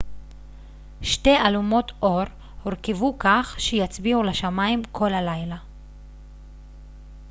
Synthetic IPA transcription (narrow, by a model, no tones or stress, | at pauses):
ʃte̞alumo̞tʔo̞ʁ | hoʁkevukaχʃejat͡sbiuleʃamaimkʰo̞lalajla